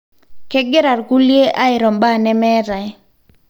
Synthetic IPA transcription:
kɛ˦ɡɪ˦ɾa˨rɡu˦lje˦ʔa˦ɪ˨ɾɔ˨mba˦˨nɛ˦mɛ˦ɾa˨

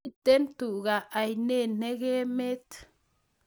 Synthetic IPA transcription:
t̪e˦nt̪u˨ɡa˨a˨jne˦ne˦ɡe˦me˦t̪

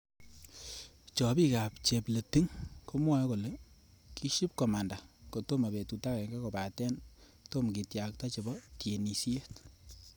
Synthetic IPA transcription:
t͡ʃɔ˨pi˦ka˨pt͡ʃe˨ple˨ti˦ŋko˦mwa˦ko˨le˨ | kʰi˦ʃi˦p̚kɔ˨ma˨nda˨ko˨to˦ma˨be˨tu˨ta˦kɛ˨ŋɡa˦ko˨pa˨tɛ˦n | to˦mki˨tja˨k̚tɔ˦t͡ʃe˨bɔ˦tje˨ni˨sje˦t

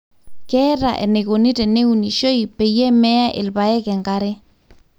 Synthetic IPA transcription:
kɛ˦ɾa̰˨ʔɛ̰˨ne˨ɣo˨ni˦tɛ˨ne˦u˨ni˨ʃo˦i˨pɛ˨jɛ˦mɛ˦ja˦ʔɪ̰˨lβa˨ɛ˦kɛ˨ŋɡa˦ɾɛ˦

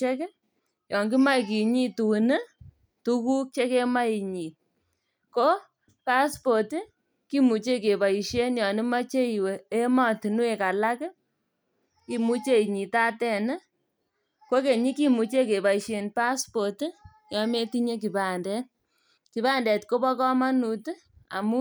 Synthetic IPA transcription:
e˦k | jɔ˨ŋɡi˦ma˦i˨k̬i˨ɲi˦tu˨nɨ˦ | tu˦ku˦k̚t͡ʃe˦ke˦ma˦i˨ɲi˨t̚ | ko˦ | pa˦spo˨t | ki˦mu˨t͡ʃe˦ke˨pa˨i˨ʃe˦njɔ˨nɪ˦ma˦t͡ʃe˦i˨we˨e˦ma˦˨tu˨nu˦e˨ka˨la˦kɪ˦ | ki˨mu˦t͡ʃe˦i˨ɲi˨ta˦tɛ˦˨nɛ˦ | ko˦ke˨ɲi˦ki˦mu˨t͡ʃe˦ke˨ba˨i˨ʃe˨npa˦spo˨t | jɔ˨me˦ti˦ɲe˦k̬i˨pa˨ndɛ˦t̚ | ki˨pa˦ndɛ˨tko˦pɔ˦kɔ˦ma˦nu˨t | a̰˨mu˦

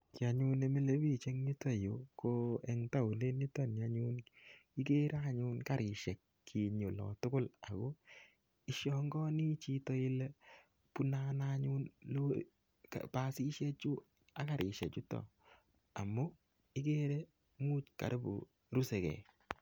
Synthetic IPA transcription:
kɪ˨a˨ɲu˦ne˦me˦le˦bi˦˨t͡ʃe˦ŋni˦tɔ˦˨jo˨ko˦ɛ˨ŋta˦u˨le˦ni˦tɔ˦nja˦ɲu˦nɪ˦ke˦ɾa˦ɲʊ˦nka˦ɾɪ˨ʃɛ˨k | kʰːi˨ɲo˨lɔ̰˨tʊ˦kʊ˦la˨ko˦ | ɪ˦ʃjɔ˦ŋɡɔ˦ni˦t͡ʃi˦tɔ˦ɪ˦lɛ˦ | pu˦na˦naɲu˦nlo˦ | ka̰pasi˦ʃɛ˦t͡ʃu˦ | a˨ka˨ɾʔɪ˨ʃɛ̰˨t͡ʃʊ˦tɔ̰˨ | a˨mo˦ | ɪ˦ke˦ɾɛ˦ | muː˦tka̰˨ɾbo̰˨ | ɾu˦sɛ˨kɛ̰˨

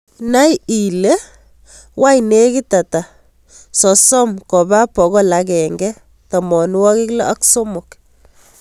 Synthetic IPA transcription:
na˦ji˨le | wa˦jne˦ki˦ta˨ta˨ | sɔ˨sɔ˦mkɔ˨ba˦pɔ˨ɣɔ˦la˨kɛŋɡɛ | tɔ˨mɔ˨n˦wɔ˦ki˦klɔ˦ʔa˦kso˦mok

